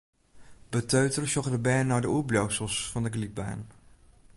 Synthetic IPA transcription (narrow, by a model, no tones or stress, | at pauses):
b̥ətøːtərəʃɔɣdəbɛːnːɔjdəublowsəlˠsfɔndəɡlit̚ba̰ːn